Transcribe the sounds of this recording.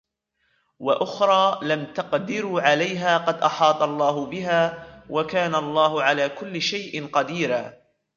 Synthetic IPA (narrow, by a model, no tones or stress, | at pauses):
waʔʊxɾˤɑːlamt̪aqd̪ɪɾuːʕalajɦaːqɑd̪ʔɑħɑːt̪ˤɑlˤːɑːɦʊbɪɦaːwʔakaːnalˤːɑːhʊʕalaːkʊlːɪʃajʔɪnqɑd̪iːɾaː